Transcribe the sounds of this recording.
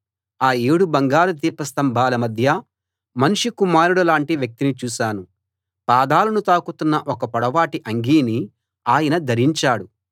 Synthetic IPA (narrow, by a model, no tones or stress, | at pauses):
aːeːɽubɐŋɡaːɾɐt̪̬iːɾpɐst̪ɐmbʱaːlɐmɐd̪ʱjɐ | mɐnuʂikumaːɾuɽɐlaːɳʈiʋjɐk̚t̪init͡ʃuːʃaːnu | paːd̪aːlɐnut̪aːkut̪unːɐʔɔkɐpɐɽɐʋaːʈiʔɐŋɡiːni | aːjɐnɐd̪ʱɐɾiɲt͡ʃaːɽu